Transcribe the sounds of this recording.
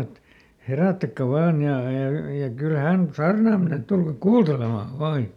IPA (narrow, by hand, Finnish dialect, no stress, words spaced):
et heræˑtːækːæ ʋɑːn jɑ jɑ jɑ kyl hæn sɑːrnɑˑm mene et tulkɑk kuːltelemɑˑ ʋɑː jɑ